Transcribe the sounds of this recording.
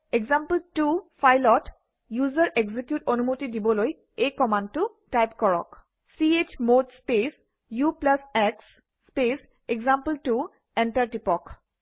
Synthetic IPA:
eɡzampəltufʰajlɔt | juzɔɹʔeɡzikjutonumotidibɔloj | ekɔmãndtʊ | tajpkɔɹɔ̰k | siet͡ʃmodspes | juplasɛksː | pes | eɡzampəltu | ɛntaɹtipɔk

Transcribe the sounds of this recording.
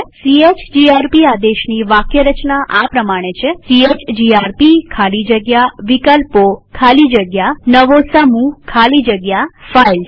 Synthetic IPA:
siet͡ʃd͡ʒiaɾpiad̪eʃniʋakjəɾət͡ʃnaʔapɾəmaɽ̃et͡ʃʰesiet͡ʃd͡ʒiaɾpikʰalid͡ʒəɡjaʋikəlpokʰalid͡ʒəɡjanəʋosəmukʰalid͡ʒəɡjafail

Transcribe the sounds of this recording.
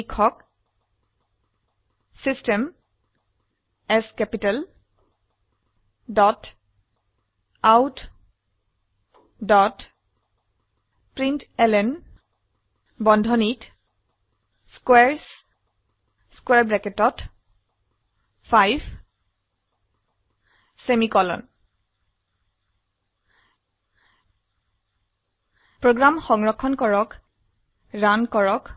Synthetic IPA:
ikʰːɔk | sistem | ɛskɛpital | dɔt | awt | dɔt | pɹintɛlɛn | bɔndʱɔnit | skwɛɹs | skwɛɹbɹɛketɔt | pʰajb | semikɔlɔ̰n | pɹoɡɹamxɔŋɹɔkʰːɔnkɔɹɔk | ɹankɔɹɔk

